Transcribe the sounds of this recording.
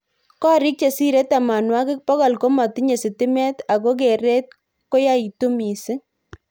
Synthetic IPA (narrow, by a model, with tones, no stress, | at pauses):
kɔ˦ɾɪ˦k̚t͡ʃe˨si˦ɾe˦ta˨ma˨nwa˦kɪ˦k̚pɔ˦kɔ˨lko˦mɔ˨ti˦ɲe˨sɪ˨tɪ˦mɛ˦t̪a˨ko˦k̬e˨ɾe˦t̚ | ko˦ja˦i˨tu˦mi˨sɪ˦